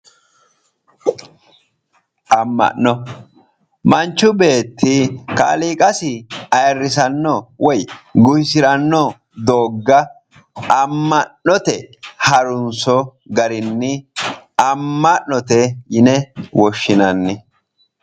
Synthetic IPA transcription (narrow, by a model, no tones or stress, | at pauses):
ʔɐmːɐ̰ʔːɔ | mɐnt͡ʃːʊbe̞ːt̪ːɪka̰ːliːkʼɐsɪɐjɐrːɪsɐnːɔwɔjɡʊjsɪɾɐnːɔ | d̪oːɡːɐ | ɐmːɐnːɔt̪ɛhɐɾʊnsɔɡɐɾɪnːɪ | ɐmːɐnːɔt̪ɛjɪnɛwɔʃːɪnɐnːɪ